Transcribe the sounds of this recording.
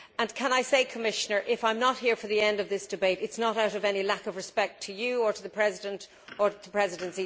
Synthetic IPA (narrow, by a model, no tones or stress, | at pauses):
ə̃nkʰə̃naɪseɪkʰəmɪʃənə˞ʔɪfãɪ̃mnət̚hiɹfə˞ðiɛ̃ndʌvðɪsd̥ɨbeɪɾɨtsnəɾaʊɾʌvɛñilakʌvɹɨspɛk̚tʰɨjɨə˞ɾəðəpʰɹ̥ɛzɪɾə̃nt | ə˞ɾəpʰɹ̥ɛzɪɾɨ̃nsi